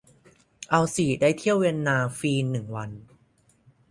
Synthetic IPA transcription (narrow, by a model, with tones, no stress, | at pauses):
ʔa˧wsiː˨˩daː˥˩jt̪ʰi˥˩əwe˧nːaː˧fiː˧nːɯ˨˩ŋwa˧n